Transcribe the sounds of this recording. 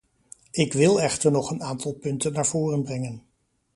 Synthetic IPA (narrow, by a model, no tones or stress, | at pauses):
ɪkʋɪlˠɛχtəɹnɔχənaːntɑlˠpɵntənːaːɹv̥ʊːrənbrɛŋən